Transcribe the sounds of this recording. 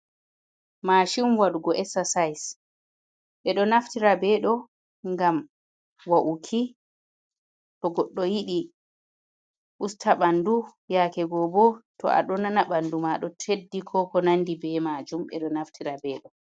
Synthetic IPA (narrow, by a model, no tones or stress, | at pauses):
maːʃimwaɗuɡɔʔɛsasajs | ɓɛɗɔnaftiɾabɛɗɔ | ŋɡam | waʔukʰi | tɔɡɔɗːɔjiɗi | ʔustʰaɓandujaːkɛɡɔbɔtʰɔ̰a̰ɗɔnanaɓandumaɗɔtʰedːikʰɔkɔnanːdibɛmad͡ʒumɓɛ̰ɗɔnaftʰiɾabɛːɗɔ